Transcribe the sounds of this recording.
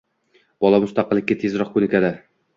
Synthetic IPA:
b̥ɒlˠɑmʊst̪ɑqɨlˠːɪkʲːat̪ʰezɾɒq̚kɵnɪkʲad̪a

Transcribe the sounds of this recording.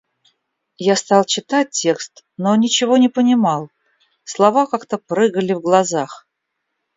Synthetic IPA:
jast̪ɑlˠt͡ɕɪt̪at̚ʲtʲːe̞kst̪ | nonʲɪt͡ɕɪvonʲɪpənʲɪmɑlˠ | slˠɐvakakt̪əpɾɨɡəlʲɪvɡlˠɐzax

